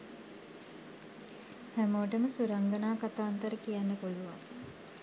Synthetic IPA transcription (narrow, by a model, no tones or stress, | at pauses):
hæmoːʈəməsuɾaŋɡənaːkat̪aːnt̪əɾəkijænːəpuluʋaŋ